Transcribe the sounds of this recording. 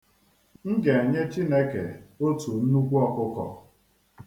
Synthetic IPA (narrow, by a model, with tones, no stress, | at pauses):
ŋ̩˦ɡe˨e˨ɲe˦t͡ʃi˦ne˦kḛ˨o˦tu˨n̩˦nu˦kʷu˦ɔ˦kʊ˦kɔ̰˨